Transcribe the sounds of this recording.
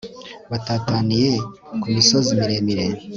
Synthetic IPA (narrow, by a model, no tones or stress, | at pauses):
βataːtanije | kumiso̞zimiɾe̞miɾe